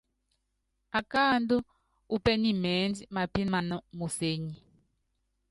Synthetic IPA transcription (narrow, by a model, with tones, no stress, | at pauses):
a˨ka˦˨ndɔ˦ | u˦pɛ˦ni˦˨mɛː˨˦nd͡zi˦ma˨pi˦nma˨nɔ˦mu˨se˦ɲi˦